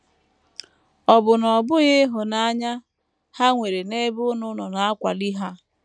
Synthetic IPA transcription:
ɔ˨bʊ˨nɔ˨bʊ˦ɣɪ˦ɦʊ˨na˦a˦ɲa˦ | ha˦ŋʷe˨ɾe˨ne˦bʊ˦nʊ˦nɔ˨na˨a˦kʷa̰˨li˦ɦa˦

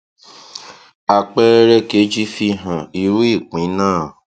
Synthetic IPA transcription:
a˧k͡pɛ˦ɾɛ˧ke˨˦d͡ʒi˦fi˧ɦã˨i˨wi˦˨k͡pĩ˨˦nãː˦˨

